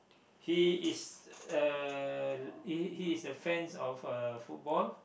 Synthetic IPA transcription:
hiisə | hihiːsdəfɹɛ̃nsɔfəfut̚bɔl

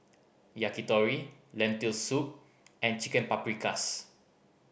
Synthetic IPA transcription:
jakit̪ɔɹilɛ̃nt̪ilsup̚ | ɛ̃nt͡ʃikɛ̃npapɾikas

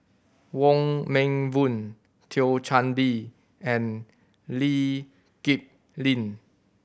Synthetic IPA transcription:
wɔ̃ŋmɛ̃ŋvũn | tʰilt͡ʃʰãnbi | ɛ̃n | li | kip̚ | lĩn

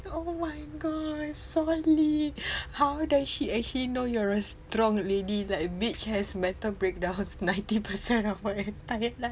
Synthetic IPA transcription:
omaɪɡɔsɔlihawdasʃiɛk̚t͡ʃəlinojɔɹəstɹɔ̃ŋledilaɪk̚bit͡ʃhɛsmɛ̃ntəlbɹek̚dãʊ̃nsnãɪ̃ntipəsɛ̃nɔfəɛtajəla

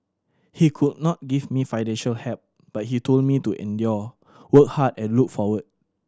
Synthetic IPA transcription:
hikʰud̚nɔt̚ɡivmifaɪnɛ̃nʃəlhɛp̚ | b̥at̚hitʰold̚mituʔɛ̰̃ndjɔ | wək̚hadɛ̃nluk̚fɔwəd̚

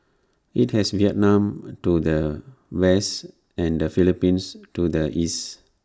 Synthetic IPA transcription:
it̚hɛsviɛt̚nãmtudəwɛst | ɛ̃ndəfilipĩnstudəʔis

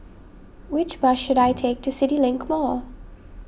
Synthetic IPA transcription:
wɪt͡ʃb̥ʌʃːɨɾaɪtʰeɪk̚tʰɨsɪɾilɪ̃ŋkmɔ

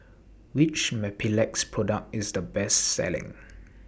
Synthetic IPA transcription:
wɪt͡ʃmɛpilɛk̚spʰɹɔdək̚tɪzdəbɛstsɛ̰lɪ̰̃ŋ

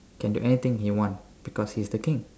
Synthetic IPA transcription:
kɛ̃ndṵʔɛnit̪ɪ̃ŋhiwɔ̃ns | b̥ikɔshisd̪əkɪ̃ŋ

